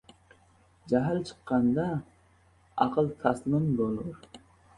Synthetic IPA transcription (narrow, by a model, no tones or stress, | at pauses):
d͡ʒaɦalt͡ʃʰɨ̥qːɑnd̪a | ɑ̰qʰɨlˠt̪ʰɑslɪmbolˠʊɾ